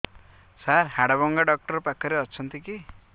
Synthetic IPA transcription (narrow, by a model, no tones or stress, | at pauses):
saɾhaɽaβɔŋɡaɖʌk̚ʈʌrpakːʌɾeʌt͡sʰʌnt̪iki